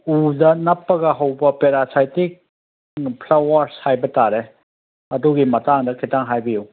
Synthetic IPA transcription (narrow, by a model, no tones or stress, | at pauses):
udɐnɐpːɐɡɐɦɐwbɐpeɾasʰajtik̚ | pʰlawɐɾshajbɐtaɾe | ɐduɡimɐtaŋdɐkʰitaŋɦajbiju